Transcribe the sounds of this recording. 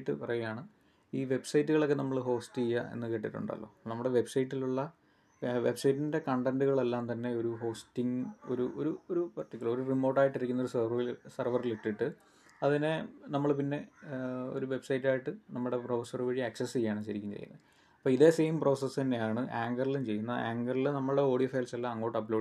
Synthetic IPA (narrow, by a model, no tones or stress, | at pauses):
ʈːɨpɐrɐjujaːɳɨ | iːʋe̞bsɐjtːuɣɐɭo̞kːenɐmːɐɭɦo̞ːstɨijːɐḛnːɨkeːʈːiʈːṵɳɖa̰lːo̞̰ːnɐmːuɽe̞ʋe̞bsɐjʈːiluɭːɐ | ʋe̞bsɐjtːinde̞kɐɳɖenduɣɐɭelːaːnt̪ɐnːeo̞ɾuɦo̞ːstiŋo̞̰ɾuʔo̞̰ɾuoɾupɐrʈːikʲːulɐɭoɾurimo̞ːʈːaːjiʈːiɾikʲːunːoɾusɐilsɐrʋɐriliʈːiʈːɨ | ɐðinenɐmːɐɭpinːe̞o̞̰ɾuʋe̞bsɐjtːaːjiʈːɨnɐmːuɽe̞profɐsɐrɨʋeɻiɐksɐsijːaːɳɨɕɐɾikʲːumːt͡ɕḛjːṵnːɐ̰ðɨ | ɐpːoːiðe̞ːsejmpro̞ːsɐst̪ɐnːejaːɳɨʔaːŋɡɐrilumt͡ɕe̞jːunːɐa̰ːŋɡɐrilnɐmːɐɭɽeo̞ːɽifɐjlselːaɐŋːo̞ːʈːɐplo̞ː